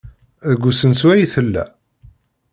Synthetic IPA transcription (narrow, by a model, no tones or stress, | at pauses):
əɡʷːusənswæjiθəlːæ̰